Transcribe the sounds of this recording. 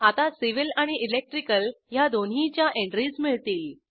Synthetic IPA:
at̪asiʋilaɽ̃iʔːlek̚ʈɾikəljad̪onɦit͡ɕjaʔeɳʈɾismiɭt̪iːl

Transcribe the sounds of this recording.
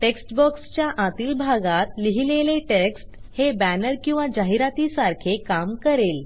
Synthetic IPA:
ʈeksʈbɔkst͡ɕjaʔãt̪iːlbʱaɡat̪liɦileleʈeksʈhebænəɾkĩw̃ʋad͡ʑaɦiɾat̪iːsaɾkʰekamkəɾel

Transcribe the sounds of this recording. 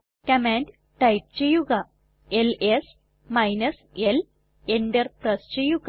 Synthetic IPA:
kɐmaːnd | ʈɐjp̚t͡ɕe̞jːuɣɐ | eles | mɐjnɐs | el | endɐrprɐst͡ɕe̞jːuɣ

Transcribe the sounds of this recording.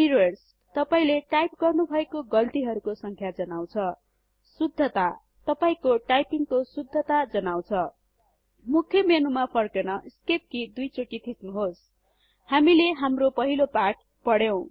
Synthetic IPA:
iɾʌrs | t̪ʌpaĩleʈajp̚ɡʌrnubʱʌekoɡʌlt̪iɦʌɾukosʌŋkʰjad͡zʌnaw̃t͡sʰʌ | sud̪ʱːʌt̪a | t̪ʌpaĩkoʈajpiŋkosud̪ʱːʌt̪ad͡zʌnaw̃t͡sʰʌ | mukʰjʌmenumapʰʌrkenʌʔskep̚kid̪ujt͡soʈit̪ʰisnuɦos | hamileɦamropʌɦilopaʈ̚ | pʌɽjew̃

